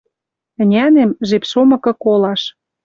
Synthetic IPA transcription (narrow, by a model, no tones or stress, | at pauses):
ə̆nʲænemʒepʃomɤ̆kɤ̆kolɑʃ